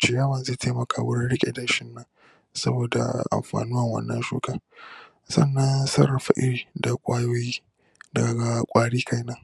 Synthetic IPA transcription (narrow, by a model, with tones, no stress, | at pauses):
t͡ʃɪ˨jaː˦wɐ˦˨nzeː˦˨tʰa˦mɐ˨kʰaː˨wʊ˦ɽɪ˦nɽɪ˦kʲʼḛ˨da˨ʃɪ˦nːɐ˦ŋ | sɐ˦boː˨da̰˨ʔa̰˨mɸa̰ː˨nuː˦wɐ˨ŋwɐ̰˦nːɐ̰˦nʃuː˦kaː˦ | sɐ̰˦˨nːɐ˦nsɐ˦ɾɐ˨ɸa̰˦ʔɪ˦ɽiː˨da˨kʷʼaː˦joː˦jiː˦ | da˨ɡa˨kʷʼaː˨ɽiː˦kʰa˦jnɐ˦ŋ